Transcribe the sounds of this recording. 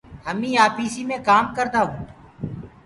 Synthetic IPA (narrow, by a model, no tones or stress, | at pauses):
ɦəmĩːaːpiːsiːmẽːkaːmkəɾd̪aːɦũː